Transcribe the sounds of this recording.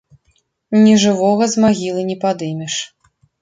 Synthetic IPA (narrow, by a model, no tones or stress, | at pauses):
nʲɛʐɨvɔɣɐzmaɣʲilˠɨnʲɛpad̪ɨmʲɛʂ